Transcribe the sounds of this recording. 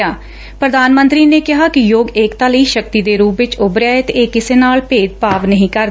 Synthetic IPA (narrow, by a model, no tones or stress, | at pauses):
aː | pɾəd̪aːnmə̃nt̪ɾiːneːkɪɦaːkɪjoːɡeːkt̪aːləiːʃək̚t̪iːd̪eːɾuːpʋɪt͡ʃʊbɾɪjaːet̪eeːkɪseːnaːlpeːd͡ʒ̪paːʋnəɦĩːkəɾ